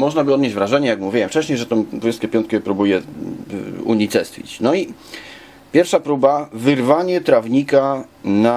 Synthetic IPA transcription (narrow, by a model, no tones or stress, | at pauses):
mɔʐnabɘɔd̪ɲed͡ʑʲvɾaʐɛɲɛjakmuvʲiwɛmft͡ʂɛɕɲejʐɛt̪ɔ̃west̪kʲɛpʲjɔnt̪kʲɛpɾubujɛ | ṵɲit͡s̪ɛst̪fʲḭt͡ɕnɔi | pʲjɛɾfʂapɾubavɘɾvaɲɛt̪ɾavɲika | na